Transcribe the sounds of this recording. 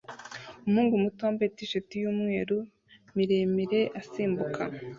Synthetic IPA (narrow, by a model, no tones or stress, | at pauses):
umhuːŋɡumutoːmbetiʃatijuːmŋe̞ːɾu | miɾemiɾe̞ʔasiːmbukʰa